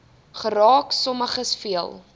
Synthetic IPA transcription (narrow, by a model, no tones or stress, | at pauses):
χəɾɑːksɔməχəsfiəlˠ